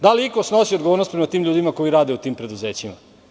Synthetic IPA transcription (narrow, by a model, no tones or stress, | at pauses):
d̪aliikosnosiod̪ɡooːɾnost̪pɾemat̪iːmʎuːd̪imako̞iɾaːd̪eut̪iːmpɾe̞d̪uze̞ːt͡ɕima̰